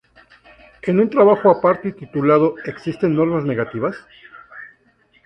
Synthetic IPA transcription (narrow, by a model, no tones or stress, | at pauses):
e̞nũnt̪ɾaβaxoapaɾt̪eit̪it̪ulað̞o̞e̞ksist̪e̞nːo̞ɾmazne̞ɣat̪iβas